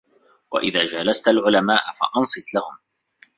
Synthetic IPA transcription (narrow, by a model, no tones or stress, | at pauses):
wa̰ʔɪðaːd͡ʒalast̪alʕʊlamaːʔafa̰ʔɑnsˤɨt̪lahʊm